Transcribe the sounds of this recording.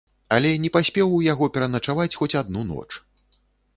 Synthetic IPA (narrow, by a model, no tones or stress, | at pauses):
ɐlʲɛnʲɛpasʲpʲɛwujaɣɔpʲɛɾɐnɐt͡ʂavat͡sʲxɔt͡sʲad̪nunɔ̰t͡ʂ